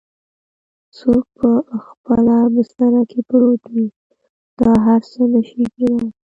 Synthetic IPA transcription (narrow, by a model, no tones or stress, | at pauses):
sok̚pəxpəlabɪst̪anakʰepɾot̪wi | d̪̥ɑɦaɾsənəʃiɡina